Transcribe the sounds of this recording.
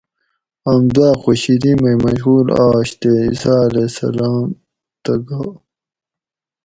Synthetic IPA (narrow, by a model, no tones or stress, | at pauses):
ɐmd̪aːxoɕiɾimɐjmɐɕɣuːlaːɕt̪eisaːlesɐ̰laːm | t̪ɐɡaː